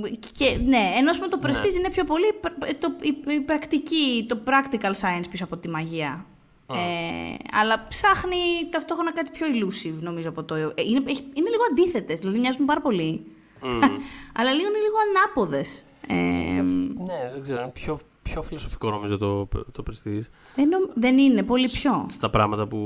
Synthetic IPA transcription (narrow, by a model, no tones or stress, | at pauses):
cene̞ːno̞sumet̪o̞pɾest̪izinepço̞po̞lit̪oiipɾɐkt̪icit̪o̞pɾɐkt̪ikɐlsɐjɐnspisoɐpo̞t̪imɐʝiɐ | eɐ̰lɐpsɐxnit̪ɐft̪o̞xɾonɐkɐt̪i̥pço̞ilusivno̞mizoɐpo̞t̪oʔineeçiineliɣoɐnd̪iθe̞t̪e̞zðilɐðimɲɐzumupɐɾɐpo̞li | ɐlɐliɣoineliɣo̞ɐnɐpo̞ðe̞s | ḛ | neðeɡzeɾoinepço | pço̞filoso̞fi̥kono̞mizot̪ot̪opɾest̪is | ðenomðeninepo̞lipço̞st̪ɐpɾɐ̰ɣmɐt̪ɐpu